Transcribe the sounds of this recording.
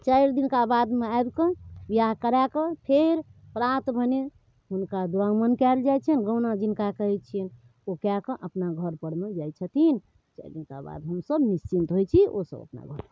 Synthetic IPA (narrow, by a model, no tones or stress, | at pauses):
t͡ʃaɪɾd̪inkabad̪meaebkə̃bijakəɾakəpʰeɾpɾat̪bʱəne | ɦunkad̪uãŋmənkɛld͡ʒajt͡ʃʰənɡə̃nad͡ʒinkakəɦɛtt͡ʃʰn | okakə̃ʔəpnaɡʱəɾpəɽmed͡ʒajt͡ʃʰət̪ʰin | t͡ʃa̰ɪɾd̪inka̰ba̰d̪ɦəmsəbnist͡ʃint̪ɦojt͡ʃʰio̰sə̰bə̰pna̰ɡʱəɾ